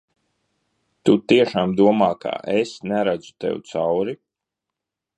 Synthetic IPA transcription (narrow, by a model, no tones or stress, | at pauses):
t̪ut̪iɛʃaːmd̪uɔmaːkʰa̰ʔesnæɾad̪zu̥t̪ɛ̰wt̪sawɾi